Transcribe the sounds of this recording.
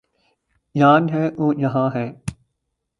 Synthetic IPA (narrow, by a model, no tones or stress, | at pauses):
jaːnɦɛːʔoːjɐɦãːɦɛː